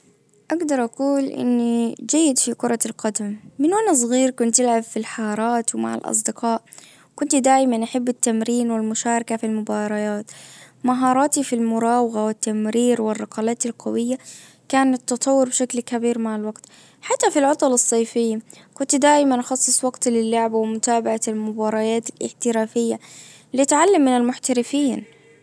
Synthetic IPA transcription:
ʔaɡd̪ɑɾˤʔɑquːlʔɪ̰nːid͡ʒajːɪd̪fikʊɾˤɑlqɑd̪amːɪnwanas̬ˤɣiːɾkʊnt̪ːɪlʕabfilħɑɾˤɑːt̪wma̰ʕa̰lʔɑ̰s̬ˤd̪ɪqɑːʔ | kʊnt̪d̪aːjmanʔaħabːɪt̪ːamɾiːnwɪlmʊʃaːɾˤɑkafilmʊbɑːɾˤɑjaːt̪ | maɦɑːɾˤɑːt̪ifilmʊɾˤɑːwɪɣawɪt̪ːamɾiːɾwɪrˤːɑqɑlaːt̪ɪlqɑwɪjːa | kaːnɪt̪ːɑt̪ˤɑwːʊɾbʃaklkabiːɾmaʕalwaɡt̪ | ħat̪ːafilʕɑt̪ˤɑlɑsˤːɑːfɪjːkʊnt̪d̪aːʔɪmanʔɑxɑsˤːɨsˤwɑɡt̪lɪlːʊʕbawɪmʊt̪aːbaʕalmʊbɑːɾˤɑjaːt̪ɪlʔɪ̰ħt̪ɪɾaːfɪjːa | lit̪ʕalːamːɪnɪlmʊħt̪aɾɪfiːn

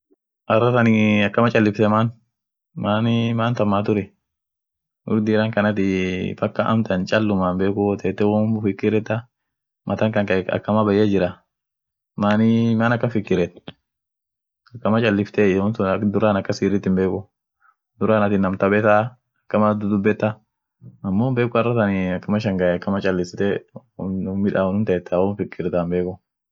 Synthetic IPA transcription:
ʔɐrːɐt̪ɐnɪɐkːɐmɐt͡ʃʼɐlːɪft̪ɛmaːn | maːnɪmaːnt̪ɐmːaːt̪ʊɾɛ | ʊ̰ɾd̪ɪɾaːŋkɐnɐt̪ɪfɐkːɐʔɐ̰mt̪ɐnt͡ʃʼɐlːʊmaːnbeːkʊt̪ɛːt̪ːɛwʊfɪkːɪɾɛt̪ːa | mʔɐt̪ɐŋkɐŋkɐɐ̰kːɐmabɐjɐd͡ʒɪɾɐ | maːnɪmaːnɐkːɐnfɪkːɪɾɛt̪ | ɐkːɐmɐt͡ʃʼɐlːɪft̪ɛʊnsʊd̪ʊɾaːnɐkːɐsiːɾɪt̪ːɪmbeːkʊ | d̪ʊɾaːnɐt̪ɪnːɐmt̪ɐbɛt̪a | ɐkːɐmad̪ʊd̪ʊbːɛt̪ːɐ | ɐmːoːmbeːkʼʊɐrːɐt̪ɐnɪɐkːɐmɐʃɐŋɡɐɛɐkːɐmɐt͡ʃʼɐlːɪsɪt̪ɛ | mːɪᶑaːnʊnt̪ɐjɛt̪ːawɔːnfɪkːɪɾɛt̪ambeːkʊ

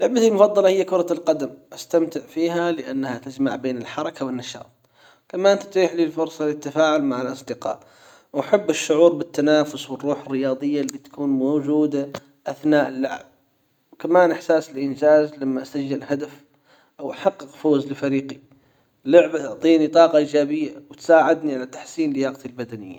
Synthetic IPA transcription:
lʊʕbat̪almʊfɑðˤːɑlɑhɪjːakʊɾˤɑlqɑd̪amʔast̪amt̪ɪʕfiːɦalɪʔanːahat̪ad͡ʒma̰ʕbeːnɪlħɑɾˤɑkawɪnːɑʃɑ̰ːt̪̚ˤ | kamaʔɪnt̪at̪ɾiːħliːlfʊɾsˤɑlɪt̪ːafaːʕʊlmaʕalʔɑsˤd̪ɪqɑ̰ːʔ | wʔaħabːɪʃːʊʕuːɾbɪt̪ːanaːfʊswɪrːuːħɪrːɪjɑːðˤɨjːalit̪ḁkuːnmoːd͡ʒuːd̪a | ʔaθnaːʔɪlːʊʕb̚ | wkamaːnʔɪħsaːsɪlʔɪnd͡ʒaːzlamːaʔasad͡ʒːɪlhad̪af | ʔawʔaħɑqːɨqfoːzlɪfaɾiːqi | lʊʕbat̪ʊʕt̪ˤiːnit̪ˤɑːqɑʔiːd͡ʒaːbɪjːawt̪saːʕɪd̪niʕalat̪ḁħsiːnlɪjaːqt̪ilbad̪anɪjːa̰

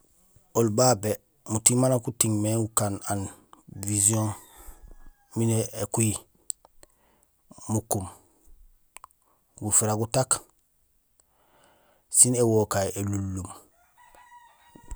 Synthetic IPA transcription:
olbaːbe | mutimanakutiŋmeɡukananviziõn | mineekuji | mukum | ɡufiɾaɡutak | sinewokajelulːum

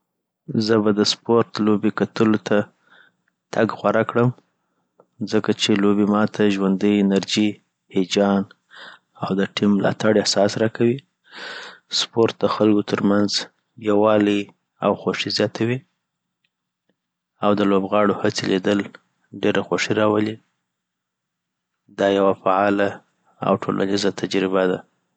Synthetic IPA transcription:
zəbad̪əspoɾt̪lobekat̪əlot̪ʰa | t̪ʰaɡxwaɾakɽəm | zəkat͡ʃelobemɑt̪ʰaʒwand̪əjɪnaɾd͡ʒi | hed͡ʒɑn | awd̪əʈimːlɑ̰t̪aɽahsɑsɾɑkʰawi | spoɾt̪̚d̪əxalɡot̪ʰəɾmanz | jawɑlə | a̰wxoʂizjɑt̪ʰawi | awd̪əlobɣɑɽohat͡selid̪əl | ɖeɾaxoʂiɾɑwəli | d̪ɑjawafaɑla | a̰wʈʰo̰lʔa̰nizat̪ʰad͡ʒɾɪbad̪a

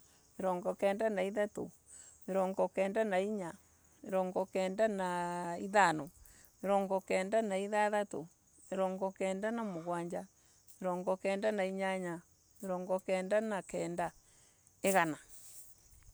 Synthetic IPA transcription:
eɾɔŋɡɔkɛːndanaiðato̰ | eɾɔŋɡɔkɛːndanaiɲa | eɾɔŋɡɔkɛːndanaiðano | eɾɔŋɡɔkɛːndanaiðaðato | eɾɔŋɡɔkɛːndanamoɣwaːɲd͡ʒa | eɾɔŋɡɔkɛːndanaiɲaɲa | eɾɔŋɡɔkɛːndanakɛːnda | eɣana

